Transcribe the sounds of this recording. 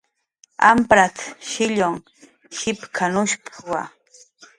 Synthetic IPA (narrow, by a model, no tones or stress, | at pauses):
a̰mpɾat̪ʃɪʎoŋ | hɪpkʰanʊʃpwa